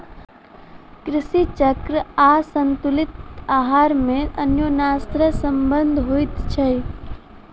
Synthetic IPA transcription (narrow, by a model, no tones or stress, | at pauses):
kɾɪsit͡ʃəkɾəasənt̪ulɪt̪aːɦaːɾmẽʔənjonaːst̪ɾəsəmbənd̪ʱɦoit̪t͡ʃʰəj